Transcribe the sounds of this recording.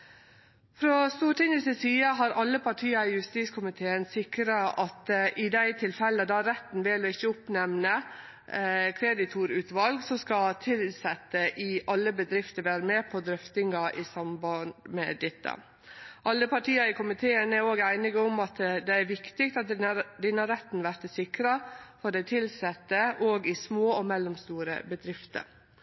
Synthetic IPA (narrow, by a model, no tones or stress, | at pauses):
fɾɔst̪uːʈɪŋɪsəsiːəɦɑɾɑlːəpʰɑʈʰiːɑɪjʉst̪iːskʰʊmɪt̪ʰeːənsɪkɾɑʔɑt̪ʔɪd̪æɪt̪ʰɪlfɛlːəd̪ɑɾɛt̪ːn̩ʋɛlɔɪçːəʊpnɛmnə | kʰɾed̪ɪt̪ʰuːɾʉːt̪ʋɑlɡsɔskɑt̪ʰɪlsɛt̪ːəʔɪɑlːəbəd̪ɾɪft̪əɾʋæːɾəmɛːpʰɔd̪ɾʏft̪ɪŋɑʔɪsɑmbɑnmɛ̰d̪ɛt̪ːə̰ | ʔɑlːəpʰɑʈiːɑɾɪkʰʊmɪt̪ʰeːənæɾoːɡæɪnɪɡəʊmɑt̪d̪ɛæɾʋɪkt̪ɪkt̪ɑt̪̚d̪ɛnːəhɑɾɛt̪ːnʋæɾt̪sɪkɾɑfɔɖæɪt̪ʰɪlsɛt̪ːəʔoːɡɪsmoːɔmɛlːɔmst̪uːɾə̰bəd̪ɾɪft̪ə̰ɾ